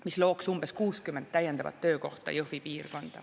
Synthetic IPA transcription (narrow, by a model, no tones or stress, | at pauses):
mislo̞ːksumb̥e̞skuːskymːent̪t̪ːæjend̪ɑvɑ̰t̪ːøːko̞̰ht̪ɑ̰jɤhvipiːrko̞nd̪̥ɑ̰